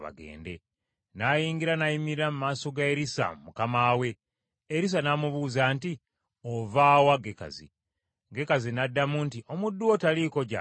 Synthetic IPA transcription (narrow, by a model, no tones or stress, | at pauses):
βa̰ɡḛːnde̞ | najiːŋɡiɾanajimiiɾamumaːso̞ɡaeɾisa̰mumukamaːwe̞ | eɾis̬anamuβuːzanti | ovaːwaɡeka̰zḭ | ɡe̞kazinadːamuntiʔo̞mudːuotaliko̞ɟa̰